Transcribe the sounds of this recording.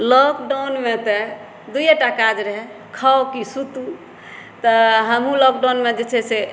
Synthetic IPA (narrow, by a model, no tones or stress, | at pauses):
lɔkɖawnmet̪ɔ | d̪ujaʈakad͡ʒɾəɦɛ | kʰaokisut̪u | t̪ɔɦəmɦũlɔk̚ɖawnmed͡ʒet͡ʃʰɛse